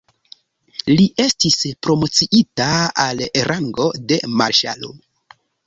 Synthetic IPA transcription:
liʔe̞stispɾo̞mo̞t͡siʔitaaleɾʔaŋɡo̞de̞maɾʃa̰lo̰

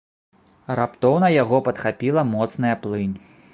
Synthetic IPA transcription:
rapt̪ɔwnɐjaɣɔpɐt̪xapʲilˠɐmɔt̪snɨjɐplˠɨnʲ

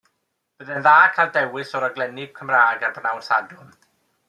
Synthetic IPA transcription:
b̥əðɛnðaːkʰalˠdɛwɪsɔɾaɡlɛnɪb̥̚kʰəmraːɡabnawnsadʊm

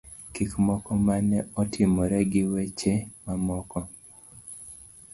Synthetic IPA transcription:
kikmɔkɔmanɛɔtʰɪmɔɾɛɡɪwet͡ʃemamɔkɔ

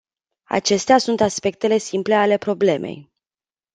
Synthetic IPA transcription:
a̰t͡ʃe̞st̪easunt̪aspe̞k̚t̪e̞le̞simple̞ale̞pɾo̞ble̞mʔe̞̰j

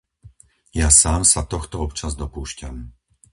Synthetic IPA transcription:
jasaːmsat̪ɔxt̪ɔɔpt͡ʃazd̪ɔpuːʃcam

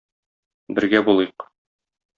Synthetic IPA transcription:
bɘ̆ɾɡæbulˠɤq

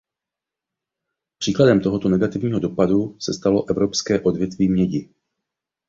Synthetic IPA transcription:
pr̝̥iːkladɛmt̪o̞ɦo̞t̪onɛɡat̪ɪvɲiːɦo̞do̞padusɛst̪alo̞ʔɛvɾo̞pskɛːʔo̞dvjɛt̪viːmɲɛɟɪ

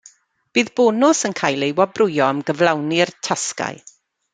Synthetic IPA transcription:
b̥iːðboːnʊsənkʰaːjlˠejwɔbrʊjɔəmɡəvlˠawnirtʰaska̰ɨ

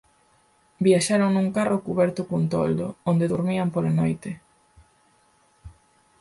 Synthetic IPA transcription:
biaʃaɾoŋnuŋkarʔokuβɛɾt̪ʊkount̪o̰ld̪oond̪eðuɾmiampolanojt̪ɪ

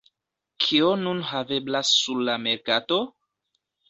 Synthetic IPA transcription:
kʰionunɦave̞blasːuɾlame̞ɾkato

